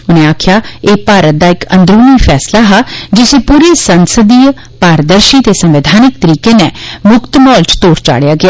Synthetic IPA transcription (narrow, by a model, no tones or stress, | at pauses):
ʊnẽːaːkʰjaːeːpaːɾət̪̚d̪aːɪkə̰̃nd̪ɾuːniːpʰɛːslaːɦaːd͡ʒɪseːpuːɾeːsənsəd̪iː | paːɾəd̪əɾʃiːt̪eːsə̃mʋɪd̪ʱaːnɪk̚t̪əɾiːkeːnɛːmʊkt̪mɔːlt͡ʃt̪oːɾt͡ʃa̰ːɽjaːɡɪaː